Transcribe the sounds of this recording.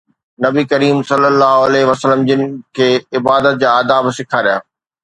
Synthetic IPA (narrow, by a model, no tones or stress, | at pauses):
nɐbikɐɾiːmsɐlːəlːaːɦʊɐlɛɦʋɐsəlːəmd͡ʑɪnɪ̆kʰeːɪbaːd̪ət̪̚d͡ʑaːd̪aːbɪsɪkʰaɾijaː